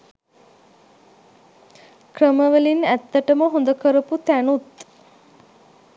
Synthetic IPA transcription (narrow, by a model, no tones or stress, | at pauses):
krəməʋəlinæt̪ːəʈəməɦond̪əkəɾəput̪ænut̪